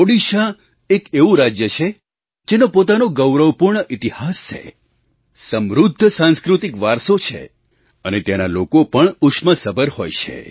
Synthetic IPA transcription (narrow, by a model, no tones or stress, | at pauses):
oɽiʃa | ekeʋũɾad͡ʒjət͡ʃʰe | d͡ʒenopot̪anoɡəwɾəwpuɾɳəʔit̪ihast͡ʃʰḛ | səmɾud̪ʱːəsãnskɾut̪ikʋaɾsot͡ʃʰḛ | ənet̪janalokopəɳukʃməsəbʱəɾho̰jt͡ʃʰḛ